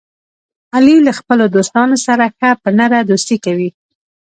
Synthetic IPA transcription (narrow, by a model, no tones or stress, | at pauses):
alilaxpəlod̪ost̪ɑnosaɾaxapənaɾad̪ost̪ikawi